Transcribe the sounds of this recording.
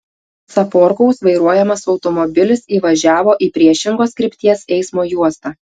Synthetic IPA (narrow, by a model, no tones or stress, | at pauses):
sɐpɔːɾkɔʊsʋɐɪɾuɔjɛmɐsɒʊt̪ɔmɔbʲɪlʲɪsiːʋɐʒʲæːʋoːʔiːpʲɾʲiɛʃʲɪŋɡoːskɾʲɪpʲt̪ʲiɛsɛɪsmoːjuɔst̪ɑː